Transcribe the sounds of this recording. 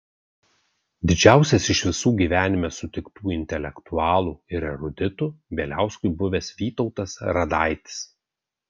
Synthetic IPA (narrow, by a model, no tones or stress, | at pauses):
d̪ʲɪd͡ʒʲæˑʊsʲɛsɪʃʋʲɪsuːɡʲiːʋʲæːnʲɪmʲɛsʊt̪ʲɪkt̪uːɪnʲt̪ʲɛlʲɛkt̪ʊɑːlˠuːɪɾɛɾʊd̪ʲɪt̪uʋʲeːlʲæˑʊskʊɪbʊʋʲeːsʋʲiːt̪ɔʊt̪ɐsɾɐd̪ɑˑɪt̪ʲɪ̥s